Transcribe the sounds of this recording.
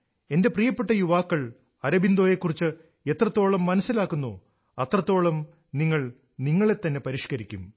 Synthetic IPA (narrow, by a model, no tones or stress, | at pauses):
e̞nde̞prijɐpːeʈːɐjuʋaːkːɐɭ | ɐɾɐbind̪o̞ːjekːurit͡ɕːɨ | e̞t̪rɐt̪ːo̞ːɭɐmːɐnɐsilaːkːunːo̰ː | ɐt̪rɐt̪ːo̞ːɭɐm | niŋːɐɭ | niŋːɐɭe̞t̪ːɐnːe̞pɐɾiːʂkɐɾikʲːum